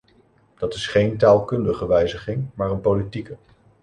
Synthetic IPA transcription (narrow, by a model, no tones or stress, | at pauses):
d̥ɑtɪsχejntaːlˠkɵndəχəʋɛjzəχɪŋmaːɹənpolitikə